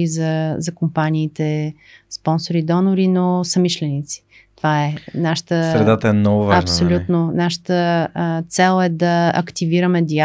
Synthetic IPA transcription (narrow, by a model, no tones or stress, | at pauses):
izɐzɐkompaniːt̪ɛ | spɔnsoɾid̪ɔnoɾinosɐmiʃlɛnit̪si̥ | t̪ovaɛnaʃə̥t̪əsɾɛd̪at̪əɛnɔvʊvɐpsolʲut̪nonaʃə̥t̪ət̪sɛlˠɛd̪ɐɐ̰kt̪iviɾəmɛd̪ia